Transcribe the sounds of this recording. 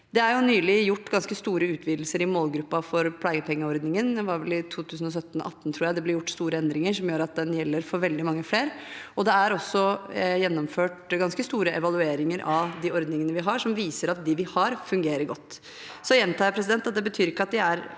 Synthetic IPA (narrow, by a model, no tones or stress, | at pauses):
d̪ɛæɾjʊnyːlɪjʊʈːɡɑnskəst̪uːɾəʉːt̪ʰʋiːd̪l̩səɾɪmoːlɡɾʉpːɑfɔɾpʰlɑːɡəpʰɛŋːəɔɾd̪nɪŋənjɛʋɑɾʋɛlɪt̪ʰuːt̪ʰʉːsən̩ɔs̬œt̪ːn̩ɔ̰ʔɑt̪ːn̩t̪ʰɾuːjæɪd̪ɛblɪɾjʊʈːst̪uːɾəɛnd̪ɾɪŋəʂɔmjøːɾɑt̪̚d̪ɛnjɛlːəɾfɔɾʋɛld̪ɪmɑŋːəfleːɾ | ɔd̪ɛæɾɔsːɔjɛnːɔmføːʈɡɑnskəst̪uːɾəʔɛʋɑlʉeːɾɪŋəɾʔɑd̪ɪɔɾd̪nɪŋənəʋɪɦɑʂɔmʋiːsəɾɑt̪̚d̪ɪʋɪhɑɾfʉŋɡeːɾəɾɡɔt̪ː | sɔjɛnt̪ʰɑːəɾpʰɾɛs̬ɪd̪ɛnt̪ːɑt̪d̪ɛbət̪ʰyːɾɪkːəɑt̪̚d̪ɪæɾ